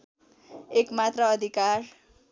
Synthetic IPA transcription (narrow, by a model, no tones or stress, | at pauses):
ekmat̪rʌːd̪ʱikar